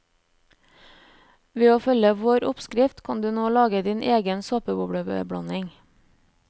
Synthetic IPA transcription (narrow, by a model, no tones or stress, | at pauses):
ʋeːoːfœləʋoːɾʊpskɾɪft̪kʰɑnd̪ʉːnoːlɑːɡəd̪iːnʔeːɡənsoːpəbʊbɽəbə̰bɽɑ̰nɪŋ